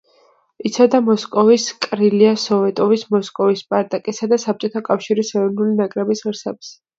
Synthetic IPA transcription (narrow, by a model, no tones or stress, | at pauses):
it̪sʰad̪amɔskʼɔviskʼɾiliasɔvɛt̪ʼɔvismɔskʼɔvispʼaɾt̪ʼakʼɛsad̪asap̚t͡ʃʼɔt̪ʰakʼafʃiɾisɛɾɔnulinakʼɾɛbisʁɾsɛbs